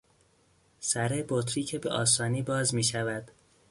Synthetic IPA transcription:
sæɾebot̪ʰɾiːcʰebḛʔɒːsɒːniːbɒːzmiːʃævæd̪̥

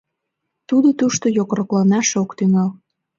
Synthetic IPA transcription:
t̪ud̪ot̪uʃt̪ojokroklɑnɑʃokt̪yŋɑl

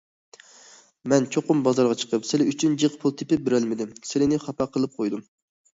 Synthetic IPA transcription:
mɛnt͡ʃʰoqʊmbɑzɑɾʁɑt͡ʃʰə̥qʰəpsɪlɪyt͡ʃʰynd͡ʒɨqpʰulˠt̪ʰɪpɪp̚bɪɾælmɪd̪ɪmsɪlɪnɪχɑpɑqʰəlˠɨp̚qʰojd̪um

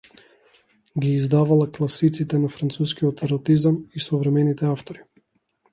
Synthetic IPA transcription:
ɡʲiːzd̪avalˠaklˠasit̪sit̪ɛnafɾant̪suskiɔt̪ɛɾɔt̪izamisɔvɾɛmɛnit̪ɛaft̪ɔɾi

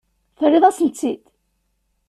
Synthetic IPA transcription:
θərːɪðˤæsnt͡sːit̪

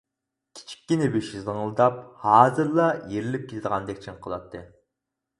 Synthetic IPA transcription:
kʲʰi̥t͡ʃʰi̥kʲːinɪbyʃizɨŋlˠɨd̪ɑp̚hɑːzɨɾlˠɑjeɾɪlɪp̚kʲet̪ʰɪd̪əʁɑnd̪ɛkʲt͡ʃʰinqʰəlˠɑ̰t̪ʰːɨ

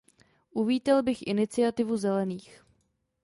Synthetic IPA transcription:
ʔuviːt̪ɛlbɪxʔɪ̰nɪt͡sɪat̪ɪvuzɛlɛniːx

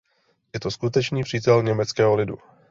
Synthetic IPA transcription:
jɛt̪o̞skut̪ɛt͡ʃniːpr̝̥iːt̪ɛlɲɛmɛt͡skɛːɦolɪdṵ

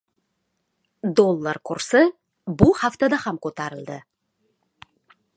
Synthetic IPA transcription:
d̪olˠːaɾkʰʊɾsə | bʊhaft̪ad̪ahamkʰot̪ʰaɾɨlˠd̪ɪ

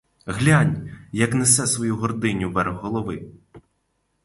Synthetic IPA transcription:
ɦlʲanʲjɐknɛsɛsʋɔjuɦɔrd̪ɪnʲuʋɛrɣːɔlˠɔʋɪ

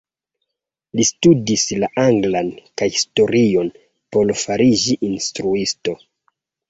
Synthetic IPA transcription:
listudislaʔaŋɡlankajhisto̞ɾio̞n | po̞lfaɾid͡ʒiʔinstɾuisto̞

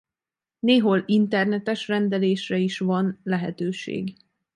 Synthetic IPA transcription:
neːɦolint̪ɛrnɛt̪ɛʃrɛnd̪ɛleːʃrɛiʃvɒnlɛɦɛ̰t̪øːʃḛːɡ

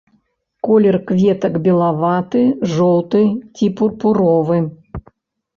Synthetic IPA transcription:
kɔlʲɛrkvʲet̪ɐkbʲɛlˠavat̪ɨʐɔlˠt̪ɨtʲipurpuɾɔvɨ

